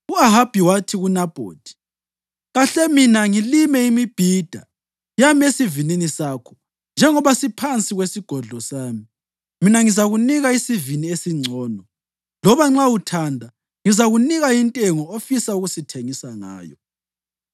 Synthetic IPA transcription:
uaɦab̥ʱiwatʰiɣunab̥ʱo̰ːd̥ʱi̥ | ɣaɬɛminaŋilimɛimib̥ʱid̥ʱa̰ | jamesivininisakʰɔ̥ | nd͡ʒʱɛŋɔβasipʰant͡sʼiɣwesiɡ̥ʱɔɮʱɔsaːmi | minaŋizaɣuniɣaisiviniesiŋ͡ǀʱɔːnɔ | lɔβaŋ͡ǁautʰandʱa | ŋizaɣuniɣaintʼɛŋɔofisauɣusitʰeŋisaŋa̰ːjɔ̰

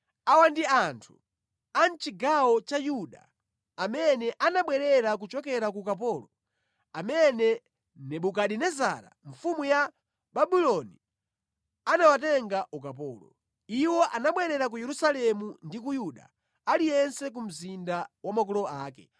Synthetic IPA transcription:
awandiantʰu̥ | ant͡ʃiɡawɔt͡ʃajuɗa̰ | amɛnɛʔanaɓwɛɾɛɾak̬ut͡ʃɔkɛɾakukap̬ɔːlɔ | amɛnɛ | nɛɓukaɗinɛzaɾa̰ɱfumuja | ɓaɓilɔni | anawatɛŋɡaʔukap̬ɔːlɔ̰ | iwɔʔanaɓwɛɾɛɾak̬ujɛɾusalɛmundik̬ujuɗa̰ | alijɛnsɛk̬um̩zindawamak̬ɔlɔaːkɛ

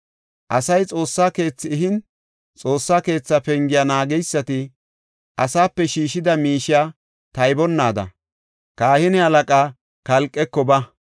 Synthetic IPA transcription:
ʔɐsɐjt͡sʼo̞ːsːaːke̞ːt͡sːɪːɦɪn | t͡sʼo̞ːsːaːke̞ːt͡sːɐpɛŋɡɪjanaːɡɛjsːɐt̪ɪ | ʔɐsaːpːɛʃiːʃɪd̪ɐmiːʃɪjaː | t̪ɐjbɔnːaːd̪ɐ̰ | kaːhɪnɛhɐlɐkʼaː | kɐlkʼːɛkːɔbɐ

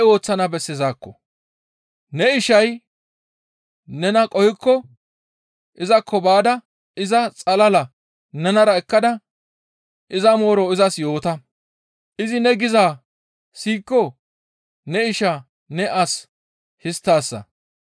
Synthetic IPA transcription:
o̞ːt͡sːɐnɐbɛsːɪzaːkːɔ̰ | nɛɪʃɐj | nɛnɐkʼɔhɪkːɔ | ʔɪzɐkʰːɔbaːd̪ɐ | ɪzɐt͡sʼɐlɐlɐ | nɛnɐɾɐɛkːɐd̪ɐ | ʔɪzɐmo̞ːɾɔɪzɐsjo̞ːt̪ɐ | ʔɪzɪnɛɡɪzaː | siːkːɔ | nɛɪʃa | nɛʔɐs | hɪst̪ːaːsːɐ̰

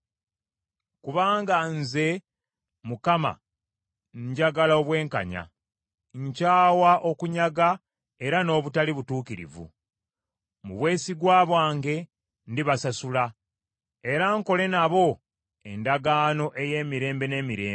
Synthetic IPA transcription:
kuβaːŋɡanze̞ | mukama̰ | ɲɟaɡalaoβwe̞ːŋka̰ɲa̰ | ɲcaːwaʔo̞kuɲaɡa | e̞ɾano̞ːβutaliβutuːkiɾḭvṵ | muβwe̞ːsiɡwaːβwaːŋɡe̞ | ndiβasasula | e̞ɾaŋko̞le̞naβo̞ | e̞ndaɡaːno̞ʔe̞je̞ːmiɾe̞ːmbe̞ne̞ːmiɾe̞̰ː

